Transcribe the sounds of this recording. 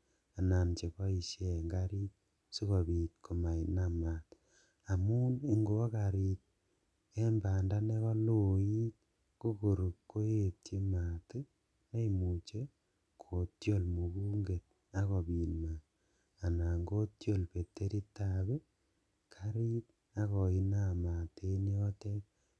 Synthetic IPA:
a˨na˨nt͡ʃe˨kɔ˦i˦ʃe˨ŋɡa˦ɾi˦t̚ | si˦kɔ˨bi˨t̪kʰo˨ma˨i˨nama˨t̪ | a˨mu˦ni˦ŋɡo˦ka˨ɾi˨t̚ | e˦mba˨nda˦ne˦kɔ˦loi˦t̚ | ko˦ko˨ɾu˨kkːo˦je˦tje˦ma˨te˦ | na˦imu˨t͡ʃe˦ | kʰo˨tjo˦lmo˨βu˦ŋɡe˨t̚ | a˦ɣɔ˨βi˨nma˨ | a˨na˨ŋɡo˦tjo˦lpe˨te˦ɾi˦taβe˦ | kʰaɾi˦t̚ | a˦ɣɔ˨i˦nama˨tʰe˦ni˦o˦te˦

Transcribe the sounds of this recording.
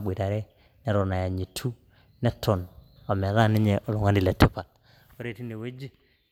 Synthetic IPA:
ɓi˨ta˨ɾe˦ | ne˦ɾo˨na˨ja˨ɲi˨tʰu˦ | ne˦tʰo˨na˨me˨˦ɾa˦˨ni˦ɲe˨ʔo˨lu˨ŋa˦ndi˨le˨te˦pa˨l | o˦ɾe˦˨ti˦ne˨we˦d͡ʒi˦

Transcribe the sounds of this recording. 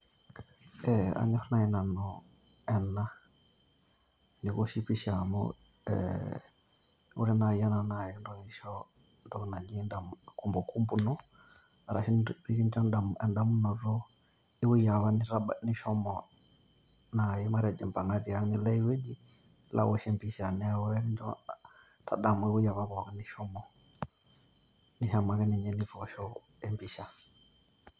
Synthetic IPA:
ɛa̰˨ɲɔ˦fna˨i˨na˨nɔ | ɛna˦ | ni˨kɔ˦ʃi˦pi˦ʃamɔ̰ | ɛ̰ | ṵ˦ɾɛ˦naja˦na˨na˨jindɔ˨ni˨ʃɔ | ndɔ˦kna˨d͡ʒindamku˦mbɔ˨ku˦mbu˦nɔ˦ | aɾa˨ʃinɾi˦ki˦nt͡ʃɔ˦ndaɛ˨nda˦mu˦nɔ˨ɾɔ˦ | i˦wu˦ja˨βa˦niɾaani˦ʃɔ˦mɔ | na˨jɛ˦ma˦ɾi˦a˨d͡ʒɛ˨mpa˨ŋɡa˦d͡ʒi˨a˦ni˨lɛ˦i˦wɛ˦d͡ʒi˦ | la̰˨wɔ˨ʃɛ˦mpi˨ʃa˨nɛwɛ˦i˦nɔ | tʰa̰˨ɗa˨mu˨i˦wu˦ja˨βa˦βɔ˨ka˦ni˦ʃɔ˦mɔ˨ | niʃa˨ma˨kɛ˦ni˨ɲɛ˦ni˦fɔʃɔ˦ | ɛ˦mpi˨ʃa˨

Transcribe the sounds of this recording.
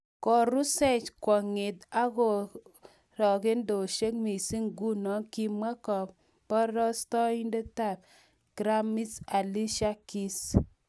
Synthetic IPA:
kɔ˨ɾu˦sɛ˦t͡ʃkɔ˨ŋɪ˨ta˦kɔ˨ | ɾɔ˨ke˦ndo˨ʃe˦k̚mi˨si˦ŋɡu˦nɔ˦ŋki˨mwa˦kɔ˨p | pɔ˦ɾɔ˦stɔ˦i˦nde˦ta˦˨p̚ | kɾa˦mi˦sa˨li˦ʃa˦ki˦s

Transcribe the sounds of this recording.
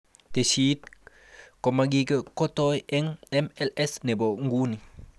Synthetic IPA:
te˨ʃiː˦t̚ | ko˨maɡi˦kə˦ko˦toje˦ŋɛ˦mɛ˦lɛ˦sne˨bo˨ŋɡu˦ni˨

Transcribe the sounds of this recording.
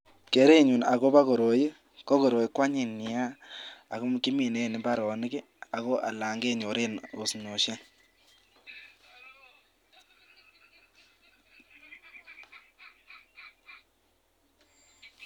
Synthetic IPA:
ke˨˦ɾe˦˨ɲu˨na˨ɣo˦ba˦ɣo˨ɾo˨ji˦ | ko˦ko˨ɾo˨i˦kwa˦ɲi˨nɪ˨ja˦a̰˨ɣʊ˦mki˦mi˨ne˦˨ni˨ba˦ɾɔ˨n˦ɡi˦ | a˨ɣɔ˦ʔa̰˨la˨ŋɡe˦˨ɲo˨ɾe˦no˨sɲo˨ʃa˦n

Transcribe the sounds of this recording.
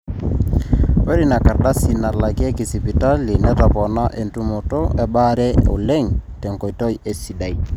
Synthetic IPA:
e˦ɾi˦na˨ka˨ɾda˦si˨na˨la˨ki˦e˦ki˨si˨pi˨ta˦li˨nɛ˦tɔ˨pɔ˨na˦ʔe˨ntu˦mo˨to˦ɛ˨ɓa˦ɾɛ˦o̰˨le˦ŋtɛ˨ŋkɔ˨i˨to˦je˨si˨da˨i˦

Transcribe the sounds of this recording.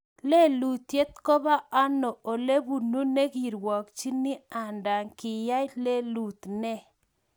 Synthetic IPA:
le˦lu˨t̪je˦t̪̚ko˦ba˦a˦no˨o˨le˦bu˨nu˦ne˦ɡi˨ɾwɔ˨k̚t͡ʃi˦ni˦a˨nda˨ŋkɪ˨ja˦jle˦lu˨t̪nɛ˦

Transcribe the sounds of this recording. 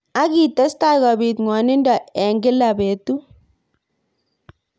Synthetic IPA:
a˦ɡi˨tɐ˦sta˦ɣɔ˨bi˨t̪ŋɔ˨nɪ˦ndɔ˨ɛ˨ŋɡɪ˦la˨be˨t̪u˦

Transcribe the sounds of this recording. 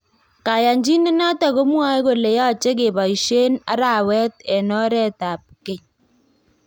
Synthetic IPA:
ka˨ja˨ɲd͡ʒi˦ne˦na˦ta˨ɣo˦mwa˦jko˨le˨ja˦t͡ʃe˦ke˨ba˨i˨ʃe˦na̰˦ɾa˨wɛ˦t̪ɛ˨nɔ˦ɾɛ˦ta˨p̚ke˦˨ɲ

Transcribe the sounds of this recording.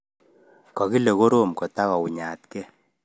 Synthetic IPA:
kɔ˨ɣi˦le˨ɣo˦ɾo˦mkɔ˨ta˦ɣɔ˨u˨ɲa˨tkɛ˦

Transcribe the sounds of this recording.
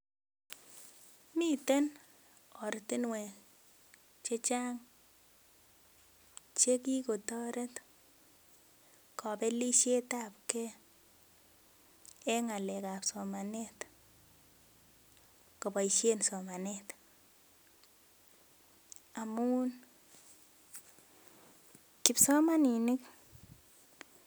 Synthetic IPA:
mi˦te˦n | ɔ˨ɾti˦nwe˨ | t͡ʃe˦t͡ʃa˦ŋ | t͡ʃe˦ki˦ko˨tɔ˦ɾe˦t | kɔ˨pe˦li˦ʃe˦tap̚kɛ˦ | ɛ˦ŋa˨lɛka˨psɔmanɛt | kɔ˨pa˨iʃje˦nsɔ˨ma˨nɛt | amuː˦n | kɪ˨psɔ˦ma˦ni˨nɪ˦k

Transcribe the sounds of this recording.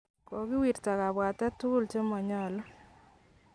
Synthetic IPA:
kɔ˨kɪ˦wi˨ɾta˨ka˨ba˨tɛ˦tu˦lt͡ʃe˦mɔ˨ɲɔ˦˨lɔ˦

